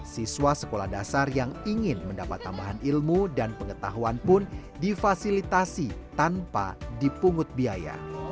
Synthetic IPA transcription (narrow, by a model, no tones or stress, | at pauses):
siswasə̥kolahdasarjaŋiŋɪnməndapat̪ːambaɦanilmudanpəŋət̪aɦuanpʊn | difasilit̪asit̪anpa̰dipuŋʊt̪̚biaja̰